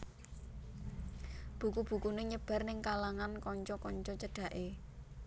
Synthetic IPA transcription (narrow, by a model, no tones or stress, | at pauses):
b̥ukub̥ṳkuneɲəb̥ä̤rnɪŋkalaŋankɔɲt͡ʃɔkɔɲt͡ʃɔt͡ʃəɖ̥ä̤ʔe